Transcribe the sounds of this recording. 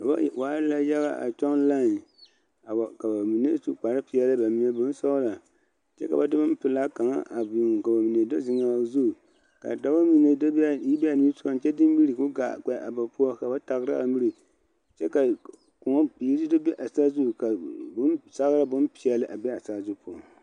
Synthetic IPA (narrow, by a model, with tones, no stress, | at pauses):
ka˨bwaː˨˦ɾɨ˦la˦jɛ˦ba̰˦ʔa̰˨t͡ʃɔ˦n˦la˦˨ | ka˨ba˨mi˨ne˦su˦k͡pa˨ɾɨ˦pi˨ɛ˦lɨ˦ba˨mi˨˦ɛ˦bʊ˦n˦sa˦la˨ | t͡ʃɛ̰˦ka˨ba˦dɨ˦ba˦m˦pɨ˨la˦ka˨ŋa̰˦ʔa˨bi˨ŋ˨ka˨ba˨mi˨ne˨do˦zɪ˨ŋa˨˦zu˦˨ | ka̰˨da˦ba˦mi˨ne˦˨i˦bɛ˦a˨ni˦sʊ˦a˦n˦t͡ʃɛ˦dɨ˦m˦bi˦ɾi˨kʊ˦ɡa˨k͡pɛ˨ʔa̰˨ba˨pu˦ɔ˦ka˨ba˦ta˨ɣɨ˦ɾɨ˦ʔa̰˨mi˦ɾi˨ | t͡ʃɛ˦ka˨ | ku˨ŋɔ˦pi˨˦ɾɨ˦dɨ˦bɛ˦ʔa˨saː˦zu˦˨ka˨bʊ˦nsa˦ɣɾa˦bʊ˦npi˨ɛ˨lɨ˦ʔa˨bɛ˦a˨sa˦zu˦pu˦ɔ˨